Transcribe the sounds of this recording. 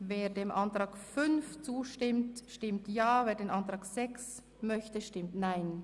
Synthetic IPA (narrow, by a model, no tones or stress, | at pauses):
veːɹdeːmʔantʁ̥aːkfʏnft͡suːʃtɪmtʃtɪmtjaːveːdeːnʔantʁ̥aːkz̥ɛks | mœçtəʃtɪmtnaɪn